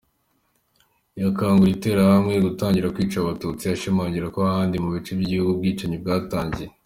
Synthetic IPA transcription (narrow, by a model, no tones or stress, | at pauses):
jakaːŋɡuɾite̞ːɾahamŋejɡutaːɲɟiɾakwiːt͡ʃaβatuːt͡siaʃimaːɲɟiɾakoahaːndimuβit͡ʃubjiɟihuɡub̚ɡiːt͡ʃaɲib̚ɡaːtaːɲɟie